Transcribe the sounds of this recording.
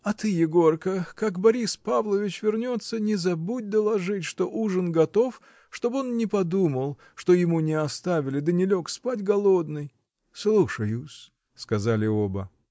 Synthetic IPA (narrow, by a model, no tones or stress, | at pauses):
ɐt̪ɨjɪɡo̞rkəkakbɐɾʲispavlˠəvʲɪt͡ɕvʲɪrnʲo̞t̪sːənʲɪzɐbud̚ʲd̪əlˠɐʐɨtʲʂt̪o̞ʔuʐənɡɐt̪o̞f | ʂt̪o̞bɨo̞nnʲɪpɐd̪uməlˠ | ʂt̪ojɪmunʲɪɐst̪avʲɪlʲɪd̪ənʲɪlʲo̞kspatʲɡɐlˠo̞d̪nɨj | slˠuʂəjʊs | skɐzalʲɪobə̰